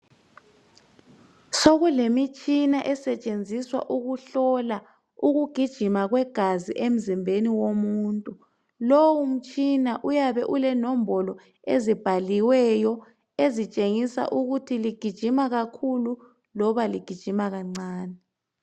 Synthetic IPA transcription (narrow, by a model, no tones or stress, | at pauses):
soɣulemit͡ʃʼinaʔɛsɛt͡ʃʼend͡zʱiswa̰ʔuɣuɬɔla | uɣuɡ̥ʱid̥ʒ̥ʱimaɣwɛɡ̥ʱazḭʔem̩zimbʱeniwomuntʼu | lowum̩t͡ʃʼinaʔujaβɛʔulɛnɔmbɔlɔ | ḛzib̥ʱaliwɛjɔ | ezit͡ʃʼeŋisa̰ʔuɣutʰiliɡ̥ʱid̥ʒ̥ʱimaɣakʰulu | lɔβaliɡ̥ʱid̥ʒ̥ʱimaɣaŋ͡ǀaːnɛ